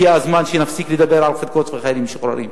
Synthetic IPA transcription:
iazmanʃenafsiːkled̪abːeɾʕalxed̪kot̪vexajɾimbʃoχɾɑ̰ɾḭm

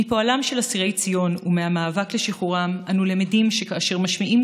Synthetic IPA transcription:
ipoalamʃe̞lasiʁe̞jt͡sijo̞numeamaːvakleʃiχuʁamʔanulemidimʃekaːʃe̞ʁmaʃmiʔim

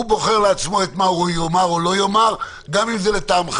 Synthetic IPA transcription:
ubo̞χe̞ʁleat͡smo̞et̪mahujomaʁolo̞jo̞maʁ | ɡamimzelet̪amχ

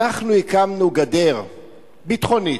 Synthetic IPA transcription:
aχnuhikamnuɡad̪e̞ʁ | bit̪χo̞ni

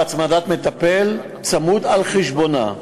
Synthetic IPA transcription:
t͡smad̪at̪me̞t̪apel | t͡samud̪alχeʃbo̞na̰

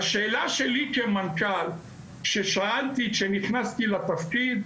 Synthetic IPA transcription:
aʃe̞ːlaʃe̞likemankal | kʃeʃaalt̪ikʃeniχnast̪ilat̪afkid̪

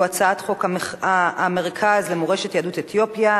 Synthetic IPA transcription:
at͡saat̪χo̞kaaameʁkʰazlemoʁeʃet̪jadutet̪jopja

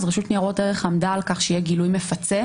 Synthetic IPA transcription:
zʁeʃutniaʁo̞teʁeχamdalkaχʃejeɡilujme̞fat͡se

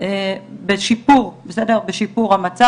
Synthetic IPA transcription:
ebeʃipuʁbesedeʁbeʃipuʁhamat͡sa

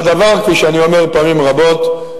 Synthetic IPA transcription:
d̪avaʁkfiʃeanio̞meʁpaːmimʁabo̞t̪

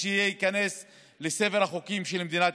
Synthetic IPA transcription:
eijeikane̞s | leseveʁaχokimʃelmed̪inat̪

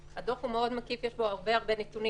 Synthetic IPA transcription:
had̪ofhumeo̞d̪makifjeʃbo̞aʁbe̞aʁbe̞net̪uni

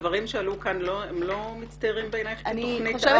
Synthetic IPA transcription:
vaʁimʃealukanloemlo̞mit͡st̪aʁimbenajχnnej

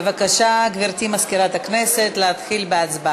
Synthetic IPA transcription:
vakaʃaɡviɾt̪imaskiɾat̪akneset̪leat̪χilbeat͡sba

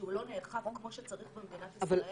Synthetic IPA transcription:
ulo̞neːlχaʁokːmo̞ʃet͡saʁiχbemd̪inat̪aval

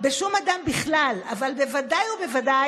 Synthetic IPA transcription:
beʃumad̪ambiχlalavalbe̞vadajobe̞vada

